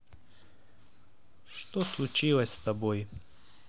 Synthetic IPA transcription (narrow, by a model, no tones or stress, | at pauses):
ʃt̪ɔslut͡ʃilɐsʲst̪ɐboj